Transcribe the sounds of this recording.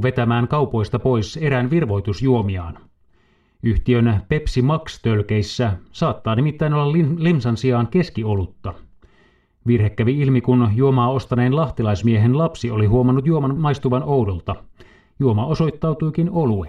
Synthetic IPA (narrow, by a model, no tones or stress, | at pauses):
ʋe̞t̪æmæːŋkɑwpo̞jst̪ɑpo̞jse̞ɾænʋirʋo̞jt̪usjuo̞miɑ̰ːn | yht̪iønpe̞psimɑkst̪ølkejsːæsɑːt̪ːɑːnimit̪ːæinolːɑllimsɑnsiɑːnke̞skiolut̪ːɑ | ʋirhe̞kːæʋiilmikunjuo̞mɑːo̞st̪ɑne̞ːnlɑht̪ilɑjsmieɦenlɑpsio̞liɦuomɑnːut̪juo̞mɑnmɑjst̪uʋɑno̞wdolt̪ɑ | juo̞mɑo̞so̞jt̪ːɑwt̪ujkino̞lue